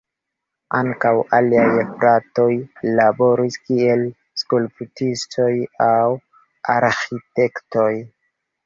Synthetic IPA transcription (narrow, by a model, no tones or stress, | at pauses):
aŋkawaliajpɾato̞jlabo̞ɾiskie̞l | skulputisto̞jaw | aɾxite̞kto̞j